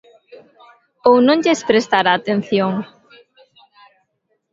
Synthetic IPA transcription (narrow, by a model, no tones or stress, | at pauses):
ownõŋʎespɾest̪aɾaːt̪en̟θjoŋ